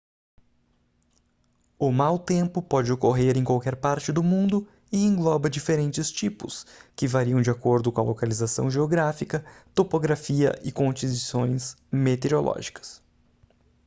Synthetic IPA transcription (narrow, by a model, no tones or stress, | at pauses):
ʊmawt̪ẽmpʊpɔd͡ʒɪokoɦeɾẽj̃kwawkɛɾpaɾt͡ʃɪd̪ʊmũnd̪ʊ | ɪẽŋɡlɔbɐd͡ʒifeɾẽnt͡ʃɪst͡ʃipʊskɪvaɾiɐ̃w̃d͡ʒakoɾd̪ʊkõɐ̰lʔokalizasɐ̰̃w̃ʒeoɡɾafikɐt̪opoɡɾafiɐ̰ʔɪkõt͡ʃizisõj̃s | met̪eɾolʔɔ̰ʒikɐ̥s